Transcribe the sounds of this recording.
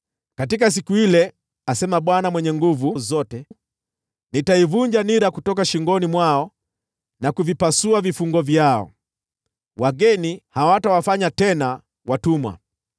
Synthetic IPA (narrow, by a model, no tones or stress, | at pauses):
katik̬as̬ikuilɛ | asɛmaɓwanamwɛɲɛŋɡuvuzɔtɛ | nitaivuɲd͡ʒaniɾakutɔkaʃiŋɡɔnimwaɔ | nakuvipasuavifuŋɡɔvjaɔ̰ | waɡɛnihawatawafaɲatɛna | watumwa̰